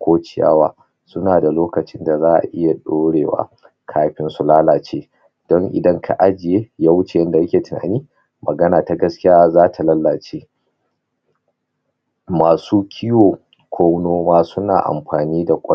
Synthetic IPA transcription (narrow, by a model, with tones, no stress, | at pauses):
kʷoː˦t͡ʃɪ˦˨ja̰ː˦waː˦ | sʊ˦naː˨da˨loː˦kɐ˨t͡ʃɪ˦nda˨zaː˦ʔa̰˨ʔɪ˦ja˨ɗoː˦ɽeː˨wa̰ː˦ | kʰaː˦ɸɪ˦nsu˨laː˦laː˨t͡ʃeː˦ | d̥ɔ˦ŋʔɪ̰˨dɐ˦ŋkʰa˨ʔa˦d͡ʒɪ˨jeː˦jaː˦wʊ˦t͡ʃe˨jɐ˦nda˨ja˦kʲeː˨tɪ˨na̰ː˨niː˦ | mɐ˨ɡɐ˦naː˨ta˨ɡɐ˦skʲɪ˦jaː˦zaː˦tʰa˨lɐ˦lːaː˨t͡ʃeː˦ | maː˨suː˦kʲʰi˦joː˨ | kʷʰoː˦wnoː˦maː˦sʊ˦na̰ː˨ʔa̰˨mɸaː˨niː˦da˨kʷʼɐ˦